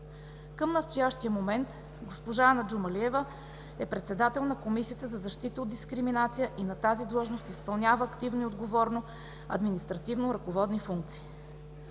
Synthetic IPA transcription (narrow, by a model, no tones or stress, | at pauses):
kəmnəst̪ojaʃt̪ijəmomɛnt̪ | ɡospoʒaanɐd͡ʒumɐliɛvə | ɛpɾɛt̪sɛd̪at̪ɛlˠnɐkomisijət̪əzɐzɐʃt̪it̪əod̪d̪iskɾiminat̪sijəʔinɐt̪azid̪lˠɔʒnost̪ispɐlˠnʲavəːkt̪ivniod̪ɡovɔɾno | ɐ̰d̪minist̪ɾɐt̪ivnoɾɐkovɔd̪nifuŋk̚t̪si̥ː